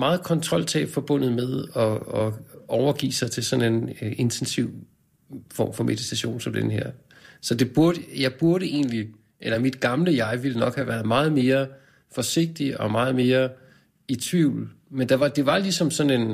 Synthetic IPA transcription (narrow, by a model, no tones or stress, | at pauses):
mɑ̈ːð̩ˠkʰɒ̽nt͡sʰʁɒ̽l̰t͡sʰɛ̰ːb̥fɒ̽b̥ɔ̽n̰ð̩ˠmeð̞ˠɒ̽ɒɒʊɐɡ̥ḭːsɑ̈ɪt͡sʰe̝lsɒ̽ne̝ne̝nt͡sʰensiʊ̰ | fɒ̰ːmfɒ̽mʔeðˠit͡sʰæɕo̝̰ːnsɒ̽md̥enəɦeɐ̰ | sɒ̽d̥e̝b̥uɐɾ̥əjɑ̈ɪb̥uɐɾəe̝̰ːnli | ʔelɐmid̥ɡ̥ɑ̈mləjɑ̈ɪʋilənɒ̽ɡ̥hæʋæɐð̞̩ˠmɑ̈ːð̞̩ˠme̝ːɐ | fɒ̽se̝ɡ̥̚d̥iʔɒ̽mɑ̈ːð̞̩ˠme̝ːɐ | it͡sʰʋiʊ̰lmend̥ɑ̈ʋɑ̈d̥e̝ʋɑ̈lisɒ̽msɒ̽ne̝n